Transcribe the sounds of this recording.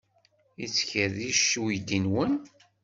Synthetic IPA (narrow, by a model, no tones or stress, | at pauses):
it͡sːçəɾðiʃːujd̪inwən